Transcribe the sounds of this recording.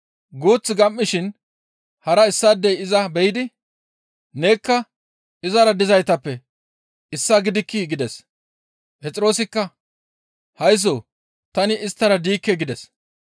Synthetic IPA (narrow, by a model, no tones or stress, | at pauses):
ɡuːt͡sːɪɡɐmʔːɪʃɪn | hɐɾɐɪsːaːd̪ːɛjɪzɐbɛjɪd̪ɪ | ne̞ːkːɐ | ɪzɐɾɐd̪ɪzɐjt̪ɐpːɛ | ɪsːɐɡɪd̪ɪkːɪɡɪd̪ɛs | pɛt͡sʼɪɾo̞ːsɪkːɐ | hɐjs̬oː | t̪ɐnɪɪst̪ːɐɾɐd̪iːkːɛɡɪd̪ɛs